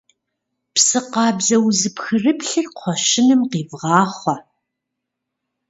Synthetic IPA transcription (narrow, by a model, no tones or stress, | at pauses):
psɨqɑːbzɐwzɨpxɨrɨpɬɨrqʷʰɔʃɪnɨmqiːvʁɑːχʷɐ